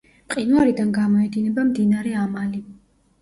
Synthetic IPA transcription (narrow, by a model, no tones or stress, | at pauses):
pʼqʼinuaɾid̪anɡamɔɛd̪inɛbamd̪inaɾɛamali